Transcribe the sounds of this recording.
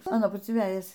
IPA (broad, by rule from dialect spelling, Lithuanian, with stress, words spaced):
ɐˈnoːn ˈpʊsʲeːn ˈʋʲæːjɛs